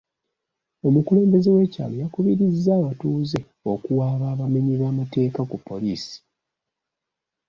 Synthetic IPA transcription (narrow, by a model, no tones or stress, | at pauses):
o̞mukule̞ːmbe̞zewe̞ːca̰ːlo̞jakuβiɾizːawatuːze | o̞kuwaːβaːβameɲiβaːmate̞ːkakupːo̞liːsi̥